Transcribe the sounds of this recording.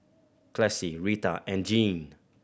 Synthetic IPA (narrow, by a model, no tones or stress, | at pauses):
kʰlɛsiɹitaʔɛ̃nd͡ʒĩn